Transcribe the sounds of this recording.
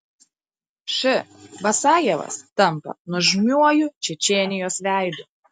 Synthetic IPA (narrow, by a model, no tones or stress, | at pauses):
ʃʲɪʋɐsɑːjɛʋɐ̰st̪ɐmˑpɐ̰nʊʒʲmʲuɔjʊt͡ʃʲɛt͡ʃʲeːnʲɪjoːsʋʲæˑɪd̪ʊ